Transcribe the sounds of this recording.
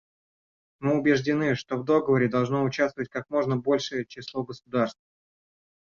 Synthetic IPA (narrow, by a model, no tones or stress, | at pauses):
mɨʊbʲɪʐdʲɪnɨʂt̪o̞vd̪o̞ɡəvəɾʲɪd̪ɐlˠʐno̞ʊt͡ɕast̪əvətʲkakmo̞ʐnəbo̞lʲʂɨjət͡ɕɪslˠo̞ɡəsʊd̪arst̪v